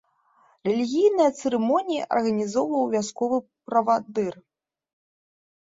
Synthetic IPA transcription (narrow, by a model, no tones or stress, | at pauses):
rɛlʲiɣʲijnɐjɐt̪sɛɾɛmɔnʲijiʔɐ̰rɣɐnʲizɔwvɐjwvʲaskɔvɨ | pɾɐvad̪ɨr